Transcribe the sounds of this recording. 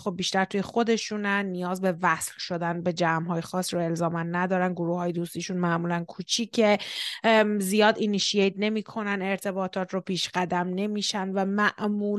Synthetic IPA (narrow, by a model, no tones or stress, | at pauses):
xobːiːʃt̪æɾt̪ʰuːje̞xo̞d̪e̞ʃunænːijɒːzbe̞væslʃo̞d̪ænbe̞d͡ʒæmɦɒːjexɒːsɾue̞lzɒːmænːæd̪ɒːɾænɡoɾuːhɒːjed̪ust̪iːʃunmæmuːlænkʰut͡ʃʰiːcʰe̞ | zijɒːd̪iniʃiejt̪ne̞miːkʰo̞næne̞ɾt̪ʰe̞bɒːt̪ʰɒːt̪ʰɾɔpʰiːʃɢæd̪æmne̞miːʃænvæmæʔmuː